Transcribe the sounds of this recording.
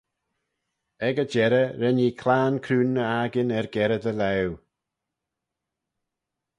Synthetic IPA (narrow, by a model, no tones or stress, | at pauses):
ɛɡəd͡ʒɛɾəɾɛniːkʰlaːnkʰɾuːnːəaɡɪnɛɹɡɛɾəd̪əlɛw